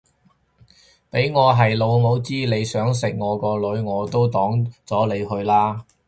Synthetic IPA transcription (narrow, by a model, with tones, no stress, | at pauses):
pe˨˥jŋɔː˨˧ɦɐ˨jlo˨˧wmo˨˧˥wt͡siː˥le˨˧jsœː˨˥ŋs̬ɪ˨k̚ŋɔː˨˧kɔː˧lɵ˨˧˥ɥŋɔː˨˧t̪o˥wt̪ɔː˨˥ŋt͡sɔː˨˥le˨˧jhɵ˧ɥlaː˥